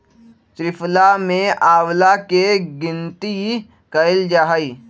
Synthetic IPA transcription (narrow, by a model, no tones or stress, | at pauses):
t̪ɾɪpʰlamẽaːwlakeɡɪ̃nt̪i | kəɪld͡ʒaːɦai